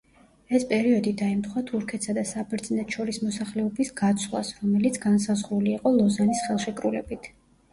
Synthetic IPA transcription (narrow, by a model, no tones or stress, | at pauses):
ɛspʼɛɾiɔd̪id̪aɛmt̪ʰχwat̪ʰuɾkʰɛt̪ʰsad̪asabɛɾt̪sʼnɛt̪ʰʼʃɔɾismɔsaχlɛɔbisɡat̪sʰlˠa̰sɾɔmɛlit̪sʰɡansazʁɾuliːqʼɔlˠɔzanisχɛlˠʃɛkʼɾulɛ̰bit̪ʰ